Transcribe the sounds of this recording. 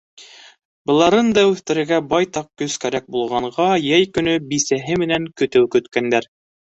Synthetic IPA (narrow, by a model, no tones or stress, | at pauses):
bɤ̆lˠɑɾɤnd̪ɑʉθt̪ɘ̆ɾɘ̆ɾɡæbɑjt̪ɑq̚kɵskæɾæk̚bulˠʁɑɴɢɑjæjkɵ̆nɵbisæɦɘmɘ̆næŋkɵ̆t̪ɘwkɵ̆t̪kænd̪æɾ